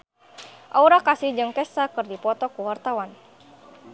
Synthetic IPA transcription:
ʔauɾakasihd͡ʒəŋkɛsakɨrdipɔt̪ɔkuwart̪awan

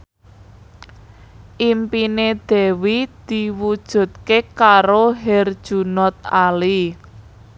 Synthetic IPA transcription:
ʔimpined̪̥ɛ̤wid̪̥iwud̥ʒ̥ṳt̪̚kekaɾoɦɛrd̥ʒ̥ṳnɔt̪̚ali

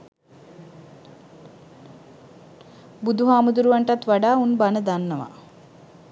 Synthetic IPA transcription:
bud̪uɦaːmud̪uɾuʋaɳʈat̪ʋaɖaːunbanəd̪anːəʋa̰

